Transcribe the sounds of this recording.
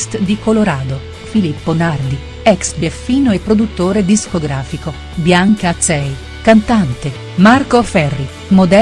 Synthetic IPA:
st̪d̪ikoloɾaːd̪o | filipːonard̪i | ɛksbefiːnoepːɾod̪ut̪ːoːɾed̪iskoɡɾaːfiko | bjaŋkat̪sɛj | kant̪ant̪e | markofɛrːi | mod̪ɛ

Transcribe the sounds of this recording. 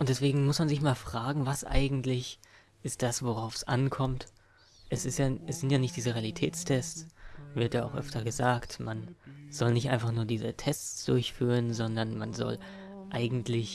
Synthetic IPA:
ʔʊntd̥ɛsv̥eːɡŋ̩mʊsmanzɪçmaːlfʁ̥aːɡŋ̩vasʔa̰ɪɡŋ̩tlɪç | ʔɪst̚d̥asv̥oʁaʊfsʔankʰɔmt | ʔɛsɪstjaːɛsz̥ɪntjaːnɪçtd̥iːzəʁealitʰɛ̰ːt͡stʰɛssvɪɐtjaːa̰ʊxʔœ̰ftɐɡəzaːktmanz̥ɔlnɪçtʔaɪnfaχnuːɐdiːzətʰɛst͡st͡sd̥ʊɐçfyːʁ̞ənzɔndɐnmanzɔ̰l | ʔaɪɡŋ̩tlɪç

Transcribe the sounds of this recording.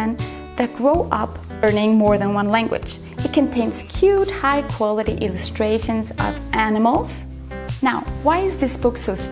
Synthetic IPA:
ɨ̃n | ðɨt̚ɡ̥ɹoʊʔʌp | ɜ˞nɪ̃ŋmɔɹðə̃nwʌ̃nlæ̃ŋɡwɨ̰̥d͡ʒ | ɨt̚kʰɨ̃ntʰẽɪ̃nz̥kʰj̥ʉd̚haɪkʰw̥ɑlˠəɾiʔɪlˠɨstɹ̥eɪʃɨ̃nzʌ̰vʔænəml̩ˠz̥ | naʊwaɪɨzðɪsb̥ʊksoʊs

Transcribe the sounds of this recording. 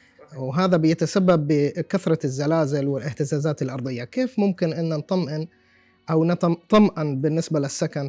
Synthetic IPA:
wɦaːðabɪjat̪asabːabːɪkaθɾˤɑzːalaːzɪlwɪlʔɪht̪ɪzaːzaːt̪ɪlʔɑɾˤd̪ˤɨjːakeːfmʊmkɪnʔɪnːant̪ˤɑmʔɪn | ʔawnt̪t̪ˤɑmʔɪnbɪnːɪsbalɪsːakan

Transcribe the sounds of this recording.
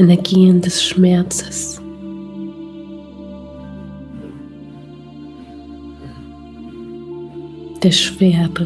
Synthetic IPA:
ɛnɛɐɡiːəndɛsʃmɛɐt͡sə̥s | d̥eːɐʃv̥eːɐb

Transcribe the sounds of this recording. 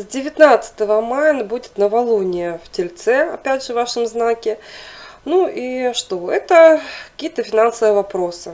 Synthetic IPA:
zʲdʲɪvʲɪt̪nat̪sɨ̥t̪əvəmajənbudʲɪt̪nəvɐlˠonʲɪjəftʲɪlʲt̪sɛɐ̰pʲædʲʐɨvaʂɨmznakʲɪ | nuʔiʂt̪oɛt̪əkɐ̥kʲijət̪əfʲɪnansəvəjəvɐpɾo̞sɨ

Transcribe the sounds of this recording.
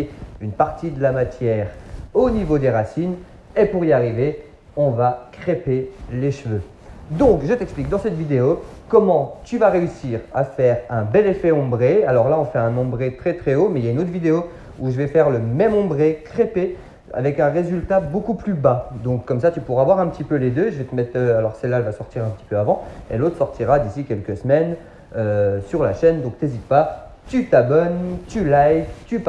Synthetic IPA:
ynpaʁt̪id̪əlamat̪jɛːʁonivod̪eʁasin | epuʁiaʁive | ɔ̃vakχepeleʃvø | d̪ɔ̃kʒət̪ɛksplik̚d̪ɑ̃sɛt̪vid̪eo | kɔmɑ̃t̪yvaʁeysiːʁa̰fɛʁɛ̃bɛlefɛɔ̃bʁealɔʁlaɔ̃fɛɛ̃nɑ̃bʁet̪χɛt̪χɛomɛiljaynot̪ʰχvid̪eo | uʒəvɛfɛʁləmɛmɔ̃bʁekχepe | a̰vɛkɛ̃ʁezylt̪abokuplybad̪ɔ̃kːɔmsat̪ypuʁavwaʁɛ̃pət̪ipøled̪øʒəvet̪əmɛt̪χøalɔʁsɛlːaɛlvasɔʁt̪iʁɛ̃pət̪i̥pøavɑ̃ḛlot̪χəsɔʁt̪ʰiʁad̪isikʲɛlkəsəmɛn | øsyʁlaʃɛnd̪ɔ̃k̚t̪ezit̪̚pa | t̪yt̪abɔnt̪ylajvt̪yp

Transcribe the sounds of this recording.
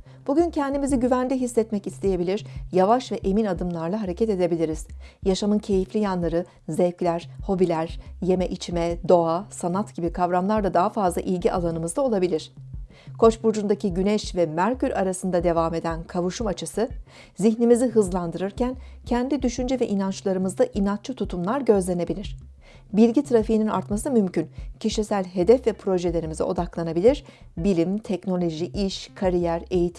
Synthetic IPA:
b̥uɟyncʰɛnd̪imiziɟyvænd̪ʲiɦisːɛt̪mɛcist̪ʰeje̞bilʲiɾ̥javaʃvɛʔe̞minad̪ɯmlˠaɾlˠaɦaɾe̞cʰɛt̪e̞d̪e̞bilʲiɾiz̥jaʃamɯncʰe̞jiflʲijanlˠaɾɯ | zɛvclʲæɾ̥ho̞bilʲæɾ̥je̞mɛʔit͡ʃʰimɛd̪o̞asanat̪ɟ̥ibikʰavɾamlˠaɾd̪ad̪aɦafazlˠa̰ʔilʲɟiʔa̰lˠanɯmɯzd̪ao̞lˠabilʲiɾ̥ | kʰo̞t͡ʃbuɾd͡ʒund̪acʰiɟynɛʃvɛmæɾcyɾʲaɾasɯnd̪ad̪e̞vaːme̞d̪ænkʰavuʃumat͡ʃʰɯsɯ | ziçnimiziɦɯzlˠand̪ɯɾɯɾcʰæncʰɛnd̪id̪yʃynd͡ʒɛvɛʔinant͡ʃlˠaɾɯmɯzd̪aʔinat̪̚t͡ʃʰɯt̪ʰut̪ʰumlˠaɾɟø̞zlʲe̞ne̞bilʲiɾ̥ | bilʲɟit̪ʰɾafiɦinina̰ɾt̪masɯmymcyncʰiʃisælʲɦe̞d̪ɛfvɛpʰɾo̞ʒe̞lʲe̞ɾimizḭo̞d̪aklˠanabilʲiɾ̥ | bilʲimt̪ʰɛcno̞lʲo̞ʒiʔiʃkʰaɾijæɾe̞jit̪ʰ

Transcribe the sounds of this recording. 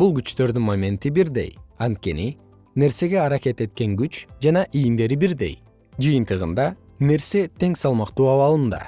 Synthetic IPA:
bulˠɡyt͡ʃt̪ø̞ɾd̪ynmamʲe̞nt̪ibiɾd̪e̞̰jɑnt̪̚kʲe̞ni | ne̞ɾse̞ɡe̞ɑɾakʲe̞t̪e̞t̪̚ke̞ŋɡyt͡ʃd͡ʒɑnɑʔijind̪e̞ɾibiɾd̪e̞̰j | d͡ʒɯjɯnt̪ɯʁɯnd̪ɑ | ne̞ɾse̞t̪ʰe̞ŋsɑlˠmɑqt̪uːɑβɑlˠɯnd̪ɑ̰

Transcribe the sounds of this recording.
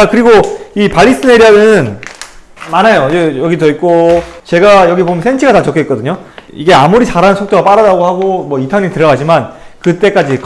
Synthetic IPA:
akɯɾiɡoipaʎːis͈ʰɯneɾjʌɡɯn | manajojʌjʌɡitʌik̚k͈ot͡ɕe̞ɡajʌɡipomjʌnsʰent͡ɕʰiɡatat͡ɕʌk͈etk͈ʌdɯɲoiɡe̞amuɾit͡ɕaɾaɯnsʰok̚t͈oɡap͈aɾadaɡohaɡomwʌitʰʌɲiitɯɾʌɡad͡ʑimankɯt͈e̞k͈ad͡ʑik

